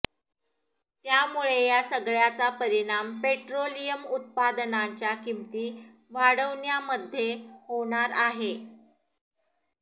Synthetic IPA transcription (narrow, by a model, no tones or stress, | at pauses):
t̪jamuɭejasəɡɭjat͡sapəɾiɽ̃ampeʈɾolijəmut̪̚pad̪ənaɲt͡ɕjakimt̪iː | ʋaɽəʋɳjaməd̪ʱːjehoɽ̃aɾaɦe